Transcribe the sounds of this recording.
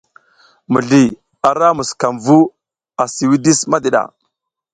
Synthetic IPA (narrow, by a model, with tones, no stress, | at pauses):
mu˨ɮi˨ | a˨ɾa˦mu˨ska˨mvu˦ | a˨si˨wi˦di˦sma˦di˨ɗa̰˨